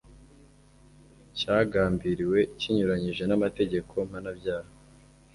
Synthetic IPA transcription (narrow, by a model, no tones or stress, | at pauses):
caːɡaːmbiɾiwe̞ciɲuɾaɲiʒe̞namate̞ɟe̞kʰo̞m̥hanabɟaːha